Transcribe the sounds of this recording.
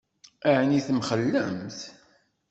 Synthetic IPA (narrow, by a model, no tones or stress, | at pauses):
aʕniθmχəlːəmθ